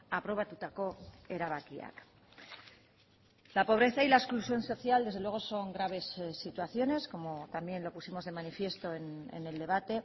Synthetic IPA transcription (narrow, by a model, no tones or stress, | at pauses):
apɾo̞β̞at̪ut̪ako̞ | eɾaβakia̰k | lapo̞β̞ɾe̞θailaeksklusjo̞nso̞θjald̪eðelwe̞ɣ̞oso̞ŋɡɾaβe̞ssːit̪waθjo̞ne̞sko̞mo̞t̪ambje̞nlo̞pusimo̞zðe̞manifje̞st̪o̞enḛne̞ld̪e̞β̞at̪e̞